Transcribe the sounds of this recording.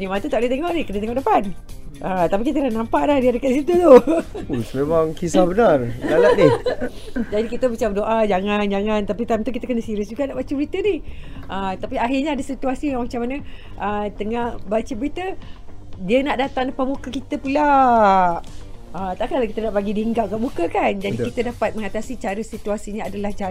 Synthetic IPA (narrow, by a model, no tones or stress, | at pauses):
nimant̪ut̪aʔdət̪eŋɔʔnɪhkənət̪eŋɔʔdəpan | ʔət̪apikit̪əlanampaʔlahdiadəkaʔdisit̪ut̪ousmemaŋkisahbənarlalat̪̚nɪh | d͡ʒadikit̪əbət͡ʃadoʔad͡ʒaŋand͡ʒaŋant̪apit̪amt̪uk̬it̪əkənəsiɾɪsd͡ʒuɡaʔnaʔbat͡ʃəbəɾit̪ənihʔət̪apiaɦirɲaadasit̪uasijaŋmat͡ʃamanəʔət̪əŋahbat͡ʃəbəɾit̪ə | diənaʔdat̪aŋdəpaʔmukəkit̪əpula | ət̪aʔkalakit̪ənaʔbaɡidiəŋɡaʔɡaʔmukəkand͡ʒadikit̪ədapat̪̚məŋat̪asit͡ʃaɾəsit̪uasiɲaadalaht͡ʃa